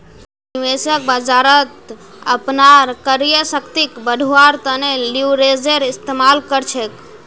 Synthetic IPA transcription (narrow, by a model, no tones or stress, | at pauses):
nʋesək̚bəd͡ʒaɾət̪ | ə̰pnaɾkəɾjəsəkt̪ikbəɖʱuaɾt̪əneliwɾed͡ʒeɾɪst̪emalkəɾt͡ʃʰek